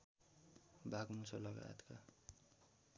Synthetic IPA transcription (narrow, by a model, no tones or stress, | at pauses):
bʱaɡmusʌlʌɡa̰t̪ka